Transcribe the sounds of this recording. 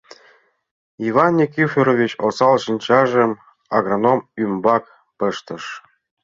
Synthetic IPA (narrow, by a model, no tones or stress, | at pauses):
ivɑnʲːikʲyfʲeɾovʲit͡ɕosɑlˠɕĭnʲt͡ɕɑʒɤ̆m | aɡronomymbɑk | pɤ̆ʃt̪ɤ̆ʃ